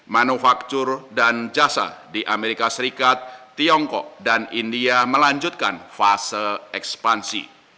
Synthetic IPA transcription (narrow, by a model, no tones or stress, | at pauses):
manufak̚t̪ʊrdand͡ʒasa̰diʔameɾikasəɾikat̪ːiɔŋkɔ̰k̚danindiaməlaɲd͡ʒʊt̪̚ka̰nfasəlɛkspansḭ